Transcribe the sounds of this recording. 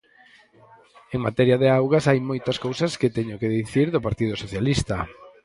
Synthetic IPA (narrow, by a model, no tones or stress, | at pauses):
eŋma̰t̪ɛɾjaðeawɣasajmojt̪ɐskowsɐsket̪ɛɲʊkeðiθiɾðʊpaɾt̪iðʊsoθjalist̪ɐ